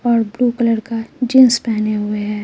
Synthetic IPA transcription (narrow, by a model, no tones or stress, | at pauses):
ɔːɾbɾuːkələɽkad͡ʒɪ̃nspɛɦneɦʊeɦɛː